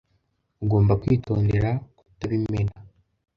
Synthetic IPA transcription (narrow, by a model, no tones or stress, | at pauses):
uɡo̞ːmbakwiːto̞ːnde̞ɾakutaβimena